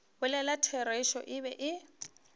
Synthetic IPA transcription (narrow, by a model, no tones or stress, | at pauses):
bʊlɛlatʰɛɾeʃɔ̰ʔɪbɛʔɪ